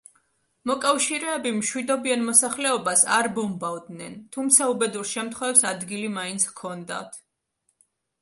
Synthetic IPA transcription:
mɔkʼafʃiɾɛːbimʃwid̪ɔbianmɔsaχlɛɔbasa̰ɾbɔmbavd̪nɛnt̪ʰumt̪sʰaubɛd̪uɾʃɛmt̪ʰχwɛvɛpsad̪ɡilimaint̪sʰkʰɔnd̪a̰t̪ʰ

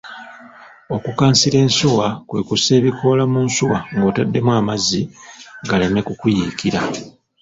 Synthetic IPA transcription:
o̞kukaːnsiɾe̞ːnsuwakwe̞kuse̞ːβikʰo̞ːlamuːnsuwaŋɡo̞ːtadːe̞mwaːmaziɡale̞me̞kukujikiɾa

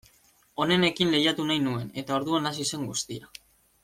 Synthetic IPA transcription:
o̞ne̞ne̞kinle̞jat̪unajnue̞ne̞t̪ao̞ɾðuanasise̞ŋɡust̪ia

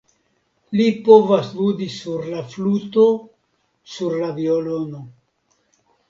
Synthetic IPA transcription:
lipo̞vasvudisuɾlafluto | suɾlaviolo̞no

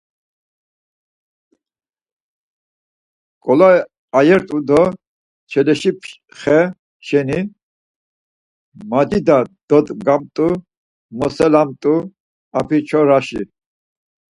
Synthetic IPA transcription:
kʼɔla | ajɛɾt̪ʼud̪ɔ | t͡ʃʰɛlɛʃipʰ | χɛ | ʃɛni | mad͡ʒ̪id̪ad̪̥ɔt̪ɡamt̪ʼu | mɔsɛlamt̪ʼu | apʰit͡ʃʰɔɾaʃi

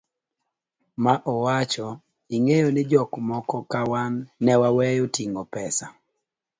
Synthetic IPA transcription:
maʔɔwat͡ʃɔ | iŋejonɪd͡ʒɔkmɔkɔkawanːɛwawɛjotiŋopɛsa

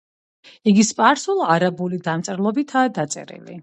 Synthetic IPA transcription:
iɡispʼaɾsulˠaɾabulid̪amt̪sʼɾlˠɔbit̪ʰaːd̪at̪sʼɛ̰ɾḭlḭ

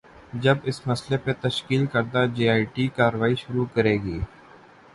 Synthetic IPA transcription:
d͡ʒɐbɪsmɐslepet̪ɐʃkiːlkɐɾd̪ad͡ʒeːaːɪʈikaːɾəʋaːiʃʊɾukɐɾeːɡiː

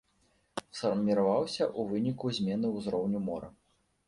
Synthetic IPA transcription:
sfɐrmʲiɾavawsʲɐʔuvɨnʲikuzʲmʲɛnɨwzɾɔwnʲumɔɾɐ̰

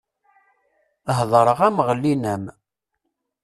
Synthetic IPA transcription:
ɦðˤɾˤəʁæmʁəlːinəm

